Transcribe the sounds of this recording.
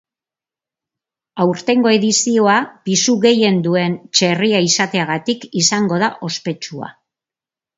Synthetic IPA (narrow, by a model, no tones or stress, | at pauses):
awɾt̪e̞ŋɡo̞e̞ðisio̞apisuɣe̞je̞nd̪ue̞nt͡ʃe̞riaisat̪e̞aɣ̞at̪ikisaŋɡo̞ð̞aʔo̞spe̞t͡ʃua̰